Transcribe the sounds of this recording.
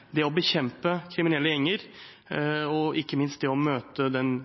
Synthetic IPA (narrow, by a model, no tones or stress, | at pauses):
d̪ɛɔbəçɛmpəkʰɾɪmɪnɛlːəjɛŋːəɾ | ɔɪkːəmɪnst̪̚d̪ɛɔmøːt̪əd̪ɛn